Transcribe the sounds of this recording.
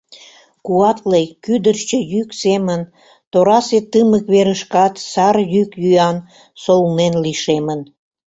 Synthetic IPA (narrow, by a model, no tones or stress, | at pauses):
kuɑt̪lejkyd̪ərʃt͡ɕəjyksemən | t̪oɾɑset̪əməkβeɾəʃkɑt̪sɑrjykjyjɑn | solnenliʃemən